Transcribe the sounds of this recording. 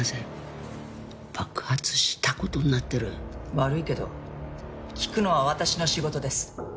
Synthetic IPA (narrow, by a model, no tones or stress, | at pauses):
aze | b̥akɯ̟̥hat͡sɨ̥ɕi̥t̪ako̞t̪o̞ɲ̟inat̪ːe̞ɾɯ̟̰βaɾɯ̟ike̞d̪o̞̰ | kʲi̥kɯ̟no̞βaβat̪aɕino̞ɕiɡo̞t̪o̞d̪e̞sɨ̥